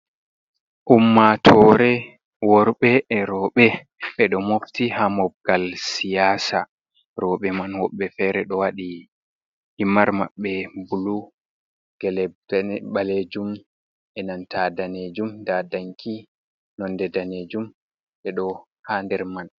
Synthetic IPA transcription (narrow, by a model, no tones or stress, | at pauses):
ʔumːatʰɔɾɛ | wɔɾɓɛʔɾɔːɓɛ | ɓɛɗɔmoftihamɔb̚ɡalsijaːsa | ɾɔɓɛmanwɔɓːɛfɛɾɛɗɔwaɗi | himaɾmaɓːɛbulu | ɡ̥ɛlɛɓaled͡ʒum | ɛnantʰadaned͡ʒumdadaŋkʰi | nɔndɛdaned͡ʒum | ɓɛɗɔ | haːndɛɾman